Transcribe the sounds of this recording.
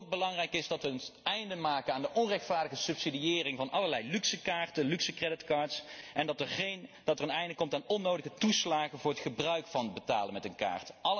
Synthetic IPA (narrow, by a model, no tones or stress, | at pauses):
k̚bəlɑŋrɛjkɪsdɑtʋəɛjndəmaːkənaːndəʔɔnrɛxtfaːɹdəɣəsɵpsidiɪːrɪŋvɑnʔɑləɹlɛjlyksəkaːɹtənlyksəkrɛdɪtkaːɹtsɛndɑtəɹχend̥ɑtərənɛjndəkɔmtaːnɔnːowdəɣətuslaːχənvʊːɹətχəbrœɥkfɑnətbəta̰ːlənmɛtənka̰ːɹtɑl